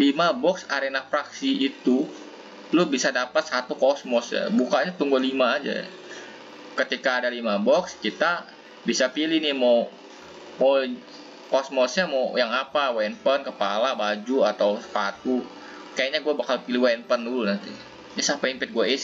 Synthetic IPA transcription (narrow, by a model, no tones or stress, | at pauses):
limabɔksaɾenafɾaksiːt̪u | lʊhbisadapat̪̚sat̪ukɔsmɔsja̰bukaɲat̪uŋɡolimaːd͡ʒa̰j̰ | kət̪ikaːdalimabɔkskit̪a | bisapilɪhnɪhmaw | maw | kɔsmɔsɲamawjaŋapawɛnpənkəpalabad͡ʒuat̪awspat̪u | kajaɲaɡuabakalpiliwanpəndulunant̪i | nisapaimpɪt̪̚ɡuais